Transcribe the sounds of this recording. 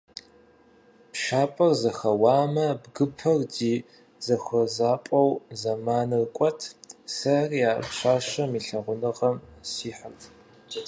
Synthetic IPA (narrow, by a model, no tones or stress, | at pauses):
pʃaːpʼɐrzɐxɐwaːmɐbɡɨpʰɐrdiː | zɐxʷɐzaːpʼɐwzɐmaːnɨrkʷʼɔtʰsɐrjaːpʃaːʃɐmiːɬɐʁʷʊnɨʁɐmsiːħərtʰ